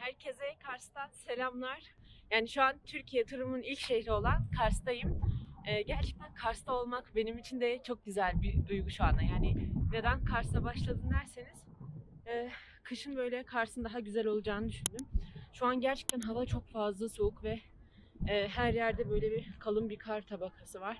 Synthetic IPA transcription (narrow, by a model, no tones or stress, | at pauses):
hæɾcʰe̞zɛkʰaɾst̪anse̞lʲamlˠaɾ̥jaːniʃuant̪ʰyɾcʰijɛt̪ʰuɾumunilʲcʃehɾio̞lˠankʰaɾsd̪ajɯmɛːɟæɾt͡ʃʰɛ̥k̚t̪ʰænkʰaɾst̪ʰao̞lˠmakbe̞nimit͡ʃʰind̪ɛt͡ʃʰo̞k̚ɟyzælʲbid̪ujɡuʃuand̪ajaːnɪne̞d̪ænkʰaɾsd̪abaʃlˠad̪ɯnd̪æɾseniz̥ɛː | kʰɯʃɯnbø̞jlʲɛkʰaɾsɯnd̪aɦaɟyzɛlʲo̞lˠud͡ʒaːnɯd̪yʃynd̪ymʃuanɟæɾt͡ʃʰɛ̥k̚t̪ʰænɦavat͡ʃʰo̞kfazlˠaso̞ukvɛː | ɦæɾjæɾd̪ɛbø̞jlʲɛbikʰalˠɯmbiɾkʰaɾt̪ʰabakʰasɯvaɾ̥